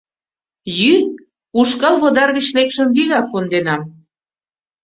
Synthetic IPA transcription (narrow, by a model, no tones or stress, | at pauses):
jy | uʃkɑlβod̪ɑrβit͡ɕlekʃə̆mβiɣɑkːond̪enɑm